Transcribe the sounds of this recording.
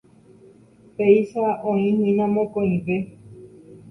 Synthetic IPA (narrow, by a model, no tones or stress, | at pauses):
peiʃaʔõĩnĩmãmõkõĩʋe